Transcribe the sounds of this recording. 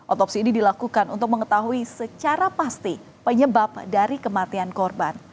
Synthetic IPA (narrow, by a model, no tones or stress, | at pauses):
ʔɔt̪ɔpsiːnidilakukanṵnt̪ʊk̚məŋət̪aɦuisət͡ʃaɾapast̪i | pəɲəbap̚daɾikəmat̪iankɔrban